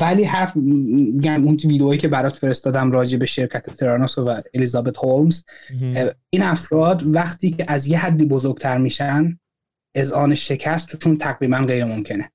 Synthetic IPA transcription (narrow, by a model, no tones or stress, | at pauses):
væliːhæ | eɟæmunviːd̪eoiːcʰebæɾɒːt̪fe̞ɾe̞st̪ɒːd̪æmɾɒːd͡ʒe̞be̞ʃe̞ɾcʰæt̪ʰet̪ʰeɾɑnosovæelizɒːbe̞t̪holmz | iːnæfɾɒːd̪væχt̪ʰiːcʰeʔæzjehæd̪ːiːbozoɾɡ̥̚t̪ʰæɾmiːʃæn | e̞zʔɒːneʃe̞cʰæst̪ʰu̥ʃunt̪ʰæɣɾiːmænɢe̞jɾemo̞mcʰe̞ne